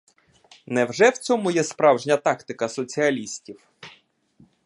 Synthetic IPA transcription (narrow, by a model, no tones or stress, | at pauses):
nɛwʒɛwt͡sʲɔmʊjɛspɾɑwʒnʲɐt̪ɑkt̪ɪkɐsɔt͡sʲiɐlʲisʲtʲiw